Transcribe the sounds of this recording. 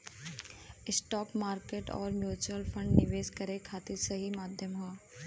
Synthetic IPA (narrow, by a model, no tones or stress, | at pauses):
ɪsʈɔːkmaːɾkeːʈɔ̰ːɾmjuːt͡ʃwəlfʰə̃ɳɖnɪʋeːʃkɐɾekʰaːt̪ɪɾsɐɦimaːd̪ʱjəmɦo